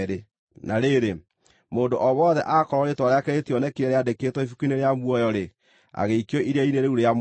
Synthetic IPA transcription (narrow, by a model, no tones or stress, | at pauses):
ɾe | naɾeɾe | moːndoʔɔβɔðɛʔakɔɾɔɾetwaɾeakeɾetiɔnɛkeɛɾeadeketwɔifukineɾeamwɔjɔɾe | a̰ɣeikiɔiɾjaineɾeuɾejam